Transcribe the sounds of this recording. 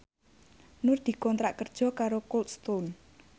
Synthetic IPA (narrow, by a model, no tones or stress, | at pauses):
nʊrd̪̥i̤kɔnt̪ɾaʔkərd̥ʒ̥ɔ̤kaɾokolt̪̚st̪on